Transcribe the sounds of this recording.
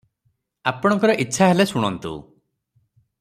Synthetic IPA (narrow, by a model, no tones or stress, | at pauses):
apɔɽ̃ɔŋkɔɾɔʔitːʃʰaɦelesuɽ̃ɔnt̪ṵ